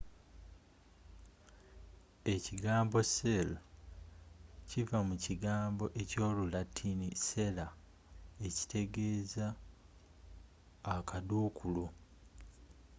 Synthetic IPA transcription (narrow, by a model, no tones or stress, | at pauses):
e̞ciɡaːmbo̞se̞lo | civamuciɡaːmbo̞ʔe̞co̞ːlulatʰːinise̞la | e̞ci̥te̞ɡe̞ːza | kaduːkʰulu